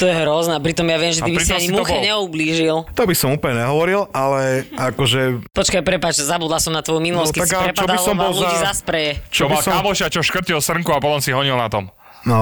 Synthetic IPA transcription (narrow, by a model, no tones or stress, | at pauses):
t̪ɔjɛɦɾɔznɛpɾit̪ɔmjaʋɪɛmʒɛt̪ibipɾitsɔmaɲismuxbɔɛlɲɛubliːʒilt̪ɔbisɔmuːpəlɲɛɲɛɦɔʋɔɾilalɛakɔʒɛpɔt͡ʃkajpɾɛpat͡ʃzabuːd̪lasɔmnat̪ʋɔjuminulɔsckiaaɾɛt͡ʃad̪ilɔmɔlluiːzaspɾɛjɛt͡ʃɔbɔlamɔʃat͡ʃɔʃkr̩cilˠsr̩ŋkuapɔt̪ɔmsiɦɔɲilnat̪ɔm | nɔ